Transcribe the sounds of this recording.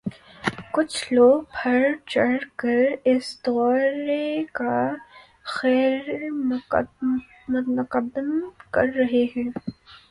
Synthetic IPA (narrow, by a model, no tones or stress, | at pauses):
kʊt͡ʃʰloːɡ̚bʰʱɐɾt͡ʃɐɽkɐɾɪsd̪ɔːɾeka | xɛːɾm | mʊqəd̪əmkɐ̰ɾːɐɦeɦɛ̃ː